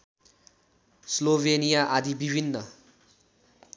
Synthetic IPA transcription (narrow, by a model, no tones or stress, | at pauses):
slobʱenijaʔad̪ʱibibʱinːʌ